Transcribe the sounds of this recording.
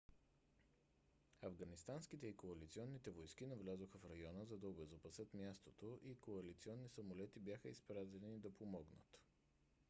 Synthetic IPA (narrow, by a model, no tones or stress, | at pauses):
ɐvɡɐnist̪anskit̪ɛikoɐlit̪siɔnːit̪ɛvojskinɐvlʲazoxəfɾɐjɔnəzɐd̪ɐobɛzopɐsɤt̪mʲjast̪ot̪oʔikoɐlit̪siɔnːisɐmolɛt̪ibjaxəispɾazɛnid̪ɐpomɔɡnə̰t̪